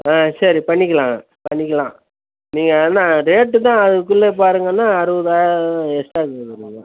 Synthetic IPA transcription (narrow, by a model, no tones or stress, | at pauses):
aːsɐɾipɐɳːɪkʲːɐlãː | pɐɳːɪkʲːɐlãː | niːŋɡɐnãːɾeːʈːɯt̪̬ãːɐðɯkʊɭːep̬aːɾɯŋɡɐnːaːɐɾɯʋɐðɯaːj̃ɛsʈaːkɐðɐɾɯŋɡɐ